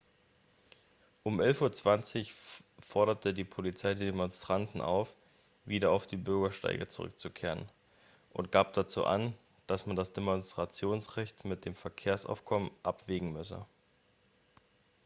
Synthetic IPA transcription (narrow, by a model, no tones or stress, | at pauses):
ʔʊmʔɛlfuːɐt͡sv̥ant͡sɪçfɔɐɾɐtʰədiːpʰolit͡saɪdiːdemɔnstʁ̥antn̩ʔa̰ʊf | viːdɐaʊfd̥iːbʏɐɡɐʃta̰ɪɡət͡suʁʏ̰k̚t͡sukʰeːʁən | ʔʊntɡ̥aːp̚d̥at͡sṵːʔa̰n | d̥asmandasd̥emɔnstʁ̥at͡sjoːnsʁɛçtmɪt̚d̥eːmfɛɐkʰeːɐsa̰ʊfkʰɔmənʔapv̥eːɡŋ̩mʏsə̰